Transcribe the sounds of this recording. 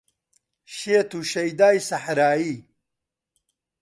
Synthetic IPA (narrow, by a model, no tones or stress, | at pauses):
ɕeːt̪ʰuɕɐjd̪aːjsɐħɾaːi